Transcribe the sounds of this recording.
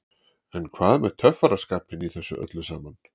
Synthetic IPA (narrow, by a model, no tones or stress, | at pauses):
ɛnkʰvaːðmɛð̥t̪ʰœfːaɾḁskaːpɪniθɛsːʏ̰ʔœ̰t̪lʏsaːman